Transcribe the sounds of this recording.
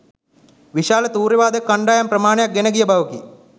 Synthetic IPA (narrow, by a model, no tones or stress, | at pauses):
ʋiʃaːlɐt̪uːɾiʋaːd̪ekːɐɳɖaːjamprɐmaːɳejak̚ɡenɐɡijəbɐʋɐkḭ